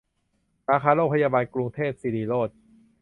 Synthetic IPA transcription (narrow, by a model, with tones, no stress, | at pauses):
ɾaː˧kʰaː˧ɾoː˥˩pʰa˧jaː˧baː˧nkɾu˧ŋt̪ʰeː˥˩p̚siː˧liː˧ɾoː˥˩t̪̚